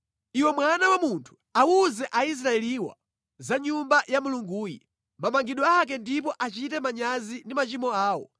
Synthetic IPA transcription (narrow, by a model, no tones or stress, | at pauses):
iwɛmwanawamuntʰu̥auzɛʔais̬ɾaɛliwa̰ | zaɲumbajamuluŋɡuːjḭ | mamaŋɡiɗwɔak̬ɛndip̬ɔʔat͡ʃitɛmaɲazindimat͡ʃimɔaːwɔ̰